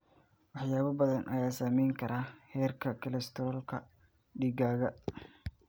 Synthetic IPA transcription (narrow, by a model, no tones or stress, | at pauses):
wɑħjaːβɐbɐðɐnʔɐjaːsaːmɛjŋkʰɐɾʔaːhɛːrkʰɐkʰɐlɛst̪ʰɾɔːlkʰɐ | ɖiːɡaːɣɐ